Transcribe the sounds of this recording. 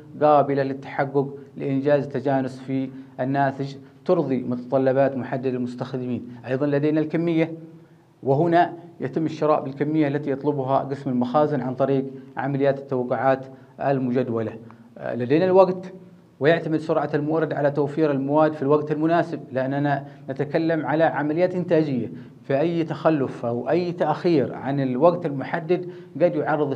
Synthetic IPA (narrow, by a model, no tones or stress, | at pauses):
ɡaːbɪlalɪt̪ːḁħaɡːʊɡlɪʔɪnd͡ʒaːzt̪ːad͡ʒaːnʊsfiʔanːaːt̪ɪd͡ʒt̪ʊɾðˤimʊt̪ɑt̪ˤɑlːɑbaːt̪mʊħad̪ːɪd̪almʊst̪axd̪ɪmiːnʔɑjðˤɑnlad̪eːnalkamːɪjːa | wɪɦʊnajat̪ɪmːɪʃːɪɾˤɑ̰ːʔbɪlkamːɪjːaʔalːat̪ijɑt̪ˤlʊbɦa̰ɡɪsmalmaxaːzɪnʕant̪ˤɑɾiːɡʕa̰malɪjːaːt̪ɪ̥t̪ːawɑqːʊʕaːt̪ | ʔa̰lmʊd͡ʒad̪wala | lad̪eːnalwaɡt̪ | wɪjɪʕt̪amɪd̪sʊɾˤʕalmʊɾˤɑd̪ʕalat̪awfiːɾalmawaːd̪filwaɡt̪almʊnaːsɪb̚lɪʔanːananat̪akalːamʕalaʕamalɪjːaːt̪ʔɪnt̪aːd͡ʒɪjːa | fiʔajːt̪axalːʊfʔawʔajːt̪aʔxiːɾʕa̰nɪlwaɡt̪almʊħad̪ːad̪ | ɡaːd̪jʊʕɑrˤːɨðˤ